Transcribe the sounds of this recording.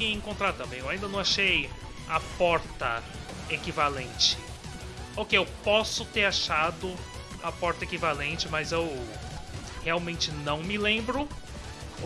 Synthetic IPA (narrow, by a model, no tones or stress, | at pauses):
ẽẽŋkõnt̪ɾaɾt̪ɐ̃mbẽj̃ewaĩnd̪ɐnɐ̃w̃aʃej | ɐpɔɾt̪ɐ | ekivalẽnt͡ʃɪ | okeewpɔsʊt̪eɾaʃad̪ʊ | ɐpɔɾt̪ɐekivalẽnt͡ʃɪmɐzew | heawmẽnt͡ʃɪnɐ̃w̃mɪlẽmbɾʊ